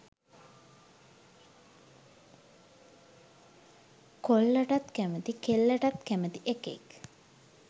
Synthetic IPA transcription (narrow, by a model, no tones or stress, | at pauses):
kolːəʈat̪kæmət̪ikelːəʈat̪kæmət̪iʔekḛk